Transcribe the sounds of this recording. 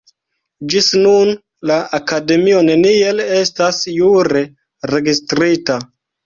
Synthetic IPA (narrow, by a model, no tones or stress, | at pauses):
d͡ʒisnun | laakade̞mio̞ne̞nie̞le̞stasjuɾe̞ | ɾe̞ɡistɾita